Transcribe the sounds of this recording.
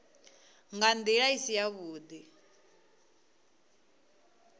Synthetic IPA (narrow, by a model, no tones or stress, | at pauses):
ŋɡand̪iɺaisijaβuːd̪i